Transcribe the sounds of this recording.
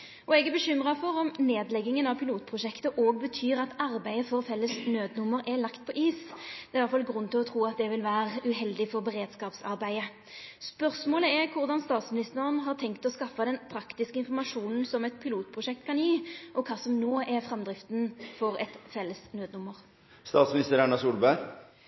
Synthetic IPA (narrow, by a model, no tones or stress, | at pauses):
ʔɔɛɡɛbəɕʏmʁɑfɔɾɔmneːd̪lɛɡːɪŋənɑʋpʰɪluːt̪pʰʁʊʂʃɛkt̪əʔoːɡbət̪ʰyːɾɑt̪ɑɾbæɪəfɔɾfɛlːəsnøːd̪nʊmːəɾʔɛlɑkt̪̚pʰɔʔiːsd̪ɛæɾʋɑt̪fɑlɡɾʉnːt̪ɪlɔt̪ʰɾuːɑt̪̚d̪ɛʋɪlʋæːɾəʉɦɛld̪ɪfɔʁbɛɾeːd̪skɑːpsɑɾbæɪə | spœʁsmoːləɛɾkʰʊʁd̪ɑnst̪ɑːt̪smɪnɪst̪əʁənɦɑʁt̪ʰɛŋkt̪ɔskɑfːɑd̪ɛnpʰɾɑkt̪ɪskəɪnfɔɾmɑʂuːnn̩sɔmɛt̪̚pʰɪluːt̪̚pʰʁʊʂɛk̚t̪kɑnjiːʔɔkʰɑːsɔmnoːɛɾfʁɛmd̪ʁɪft̪nfɔɾɛt̪fɛlːəsnøːd̪nʊmːəʁ | st̪ɑːt̪smɪnɪst̪əɾæɳɑsuːlbæɾ